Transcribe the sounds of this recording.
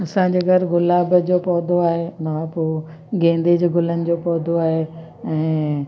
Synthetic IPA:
ɐsãːɲd͡ʑeːɡʱɐɾɡʊlaːbəd͡ʑoːpɔːd̪ʱoaːɦemɐʋãpoː | ɡẽːnd̪iːd͡ʑɡʊlənɪ̆d͡ʑoːpɔːd̪ʱoaːɦe | ɛ̃ː

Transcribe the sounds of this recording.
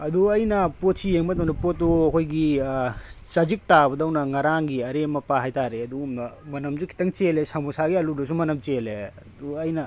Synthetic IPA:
ɐduɐjnɐpot̚sijeŋbɐdɐwnɐpotːuɐkʰojɡi | t͡ʃad͡ʒik̚tabɐdɐwnɐŋɐɾaŋɡiɐɾemɐpaɦajtaɾeɐdumnɐmɐnɐmd͡ʒukʰi̥tɐŋt͡ʃelesamusaɡiɐludɐs̬umɐnɐmt͡ʃeleɐduɐjnɐ

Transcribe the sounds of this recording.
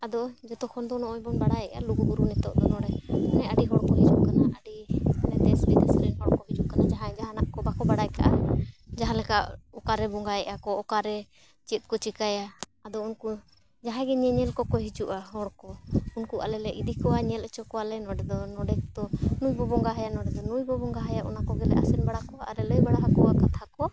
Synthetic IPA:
ad̪ɔd͡ʒɔt̪ɔkʰɔnd̪ɔnɔʔɔjbɔnbaɽajɛʔa̰luɡuɡuɾunɛt̪ɔʔd̪ɔnɔɽɛɛnɛaɖiɦɔɽkɔɦid͡ʒuʔkanaʔaɖinɛt̪ɛsbid̪ɛsɾɛnɦɔɽkɔɦid͡ʒuʔ̚kanad͡ʒaɦãd͡ʒaɦãnaʔkɔbakɔbaɽajka̰ʔad͡ʒaɦãlɛkaʔɔkaɾɛbɔŋɡajɛʔakɔɔkaɾɛ | t͡ʃit̪̚kɔt͡ʃikajaːd̪ɔunku | d͡ʒaɦãɡɛɲɛɲɛlkɔkɔɦid͡ʒuʔaɦɔɽkɔunkuʔa̰lɛlɛʔid̪ikɔwaɲɛlət͡ʃɔkɔwalɛnɔɖɛd̪ɔnɔɖɛkt̪ɔnujbɔbɔŋɡaɦajaʔnɔɖɛd̪ɔnujbɔbɔŋɡaɦajaʔɔ̰nakɔɡɛlɛ̰ʔa̰sɛnbaɽakɔaaɾɛləjbaɽaɦakɔwakat̪ʰakɔ

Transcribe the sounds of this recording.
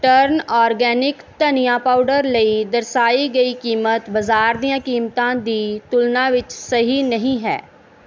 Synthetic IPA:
ʈəɾnɔːɾɡɛːnɪkt̪ɐnijãpaːʊɖəɾləid̪ɐɾsaːiɡɐikiːmət̪bɐzaːɾd̪ijãkiːmt̪ãd̪it̪ʊlnãʋɪt͡ʃsɐɦinɐɦĩɦɛ̰ː

